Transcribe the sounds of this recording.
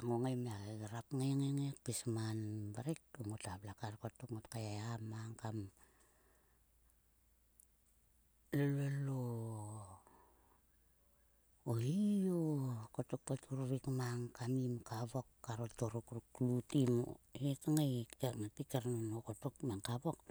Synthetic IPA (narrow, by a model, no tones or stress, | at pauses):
aŋoŋajmeaɡɾapŋajŋeŋek̚pismanbaɾik̚oŋotablakarkotokŋotkaeamaŋkam | lolelo | oiokotuk̚patʰuɾuɾikmaŋkamimkaβokːaɾotoɾukɾuklutimetaŋajeŋatikeɾnonokotokmeŋkaβok